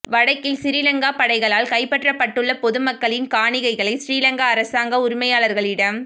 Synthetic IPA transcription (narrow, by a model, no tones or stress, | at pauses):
ʋɐɽɐɪkːɪlsɪɾɪlɐŋɡaːpɐɽɐɪɣɐɭaːlkɐɪpːɐʈrɐpːɐʈːɯɭːɐpɔðɯmɐkːɐɭɪnkaːɳɪɣɐɪɣɐɭɐɪsɾiːlɐŋɡaːɾɐsaːŋɡɐʊɾɪmɐjaːlɐɾɣɐɭɪɽɐm